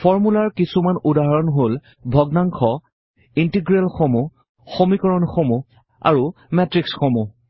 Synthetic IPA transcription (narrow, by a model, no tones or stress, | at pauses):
fʰɔɹmulaɹkisumanudaɦaɹɔnɦol | bʱɔɡnaŋkʰɔ | intiɡɹɛlxomu | xomikɔɹɔnxomu | a̰ɹu | mɛtɹiksxomu